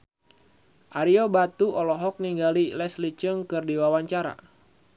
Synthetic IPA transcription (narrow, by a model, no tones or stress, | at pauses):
ʔaɾiobat̪uʔɔlɔɦɔk̚niŋɡalilɛslit͡ʃəŋkɨrdiwawaɲt͡ʃaɾa̰